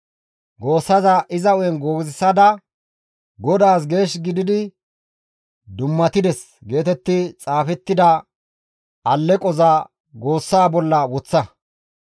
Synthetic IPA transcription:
ɡo̞ːsːɐzɐʔɪzɐɔjɛnɡo̞ːɡzɪsɐd̪ɐ | ɡɔd̪aːs̬ɡe̞ːʃɡɪd̪ɪd̪ɪ | d̪ʊmːɐt̪ɪd̪ɛs | ɡe̞ːt̪ɛt̪ːɪt͡sʼaːfɛt̪ːɪd̪ɐ | ɐlːɛkʼɔzɐ | ɡo̞ːsːaːbɔlːɐwɔt͡sːɐ

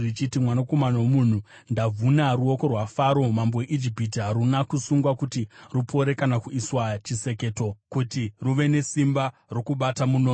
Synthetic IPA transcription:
rit͡ʃitimwanako̞manawomun̤u | ndavunaruo̞ko̞rwafaɾo̞mamboweʔid͡ʒipit̬iɦaɾunakusuŋɡwakutirupʰo̞ɾe̞kanakuiswat͡ʃise̞ke̞ːto̞kutiruʋe̞ne̞simbaro̞kuɓatamuno

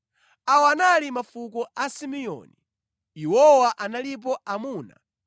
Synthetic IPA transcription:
awɔanalimafukɔʔasimijɔ̰ni | iwɔwaʔanalip̬ɔʔamuːna̰

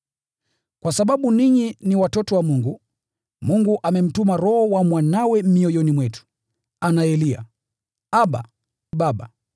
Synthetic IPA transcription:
kwasaɓaɓuniɲiniwatɔtɔwamuŋɡu | muŋɡuʔamɛm̩tumaɾɔhɔwamwanawɛm̩miɔjɔnimwɛtu̥ | anaɛlia̰ | aɓa̰ | ɓaɓa̰

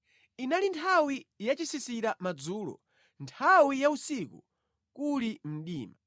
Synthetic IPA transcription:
inalintʰawijat͡ʃisisiɾamad͡zuːlɔ̰ | ntʰawijausikṵ | kulim̩ɗiːma

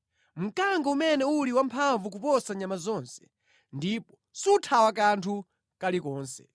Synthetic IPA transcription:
m̩kaŋɡaumɛnɛuliwampʰaɱvuk̬upɔsaɲamazɔːnsɛ̥ | ndiːpɔ̥ | sutʰawak̬antʰu | kalikɔːnsɛ̥

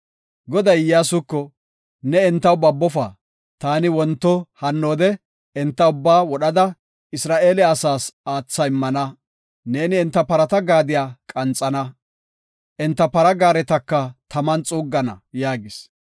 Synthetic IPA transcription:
ɡɔd̪ɐjjaːsʊkːɔ | nɛɛnt̪ːɐwbɐbːɔfa̰ː | t̪aːnɪwɔnt̪ːɔhɐnːoːd̪ɛ | ɛnt̪ːɐʊbːaːwɔɗɐd̪ɐ | ɪsɾaːʔe̞ːlɛɐsaːsaːt͡sːɐɪmːɐnɐ | neːnɪɛnt̪ːɐpɐɾɐt̪ɐɡaːd̪ɪjaːkʼɐnt͡sʼɐnɐ | ʔɛnt̪ːɐpɐɾɐɡaːɾɛt̪ɐkːɐt̪ɐmɐnt͡sʼuːɡːɐnɐ̰jaːɡɪs

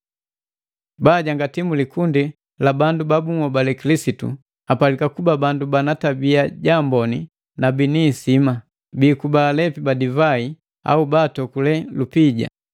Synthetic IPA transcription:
baːɟaŋɡatimulikundi | labandubabuŋɔbalɛkilisitṵ | apalikakubabandubanatabiaɟambɔni | nabiniːsima | biːkubaːlɛpibadivai | a̰ubaːtɔkulɛlupiɟa̰

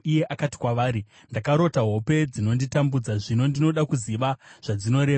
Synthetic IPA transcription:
ije̞ʔakati̥kwaʋaːɾi | ndakaɾo̞taɦo̞pe̞d͡zino̞nditambud͡zaʐino̞ndino̞ɗakuziʋaʐ̥ad͡zino̞ɾe̞ːʋa

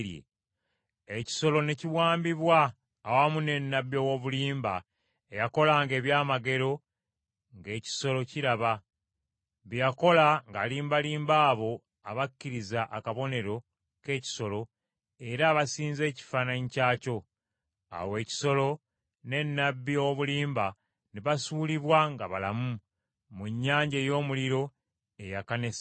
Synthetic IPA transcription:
jḛ | eci̥so̞lo̞ne̞ciβwaːmbiβwaː | wamune̞nːabjowoβuliːmba̰ | ejako̞laŋɡe̞ːβjaːmaɡe̞ɾo̞ | ŋɡe̞ːci̥so̞lo̞ciɾaβa | βijako̞laŋɡaliːmbaliːmbaːβo̞ | aβakːiɾizaʔakaβo̞ne̞ɾo̞ | ke̞ːci̥so̞lo̞ | e̞ɾaːβasiːnze̞ːci̥faːnaɲicaːco̞ | a̰we̞ːci̥so̞lo̞ | ne̞nːabːioβuliːmba | neβasuːliβwaŋɡaβalamu | muɲːaːɲɟeːjo̞ːmuliɾo̞ | e̞jakanes

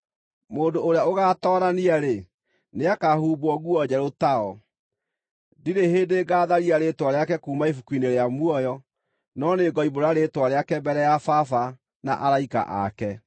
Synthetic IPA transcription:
moːndoːɾeaoɣatɔːɾaniaɾe | neakahuːboɔɣuɔd͡ʑɛɾotaɔ | diɾeheːdeːɡaːðaɾiaɾetwaɾeakɛkuːmaifukwineɾeamwɔjɔ | nɔneɡɔiboɾaɾetwaɾeakɛbɛɾɛjafafa | na̰ʔaɾaika̰ʔa̰kɛ

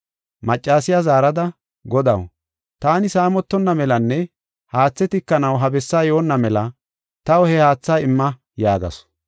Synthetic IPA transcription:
mɐt͡ʃʼːaːsɪjazaːɾɐd̪ɐ | ɡɔd̪ɐ̰w | t̪aːnɪsaːmɔt̪ːɔnːɐmɛlɐnːɛ | haːt͡sːɛt̪ɪkːɐnɐwɦɐbɛsːaːjoːnːɐmɛlɐ | t̪ɐwɔhɛhaːt͡sːaːɪmːɐ | jaːɡɐ̰s

